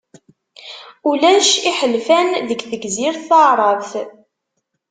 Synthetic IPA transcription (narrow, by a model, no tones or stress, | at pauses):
ulæʃiħəlfænðəɡθəɡziɾθθəʕɾˤɑðθ